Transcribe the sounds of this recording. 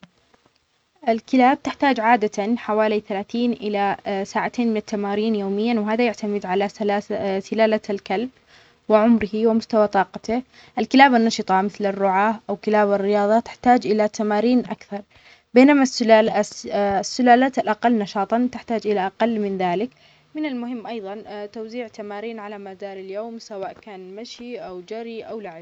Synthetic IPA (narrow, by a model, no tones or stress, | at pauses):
ʔɪlkɪlaːb̚t̪ɪħt̪aːd͡ʒʕaːd̪at̪anħawaːliθalaːθiːnʔɪlasaːʕat̪ʰeːnmɪnɪt̪ːamaːɾiːnjoːmɪjːanwɪɦaːðajaʕt̪amɪd̪ʕalalasɪlaːlalkalb | wɪʕʊmɾɪhiwɪmʊst̪awat̪ˤɑːqɑt̪ɪ | ʔɪlkɪlaːbanːɑʃɨt̪ˤɑmɪθlɪrːʊʕaːʔawkɪlaːbarːɪjɑːðˤɑt̪ɪ̥ħt̪aːd͡ʒʔɪlat̪amaːɾiːnʔa̰kθɑɾˤ | beːnamasa | sːʊlaːlaːt̪alʔaqalːnɑʃɑːt̪ˤɑt̪ɪħt̪aːd͡ʒʔɪlaʔaqalːmɪnðaːlɪk | mɪnalmʊhɪmːʔɑjðˤɑnt̪awziːʕt̪amaːɾiːnʕalamad̪ɑːɾˤɪljoːmsawaːʔkaːnmaʃiʔawd͡ʒaɾiʔawlaʕɪb